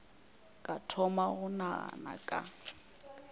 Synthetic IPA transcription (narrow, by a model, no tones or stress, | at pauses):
kʼatʰɔmaɣʊna̰na̰kʼa